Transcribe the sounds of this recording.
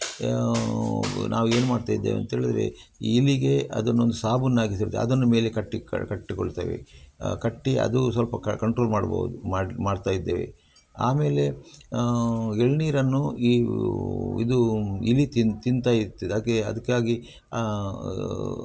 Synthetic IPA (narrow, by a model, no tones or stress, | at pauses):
nʔa̰ːʋueːnumaːɖt̪aːjid̪ːeːʋḛnt̪ɐɦeːɭid̪ɐɾe̞̰ | iːliɡe̞ɐ̰d̪ɐnːuond̪usaːbunːaːɡis̬iɾut̪ːeɐ̰d̪ɐnːume̞ːle̞kɐʈːḭkɐʈːikoɭt̪a̰ːʋḛkɐʈːiʔɐ̰d̪usʋɐlpɐɐkɐɳʈɾo̞ːlmaːɽbɐ̰ʋṵd̪umaːmaːɖt̪aːjid̪ːeːʋḛ | aːme̞ːle̞ | eɭniːɾɐnːuiː | ḭd̪uilit̪int̪int̪aːjiɾt̪ːed̪aːkeɐ̰d̪ɐkːaːɡi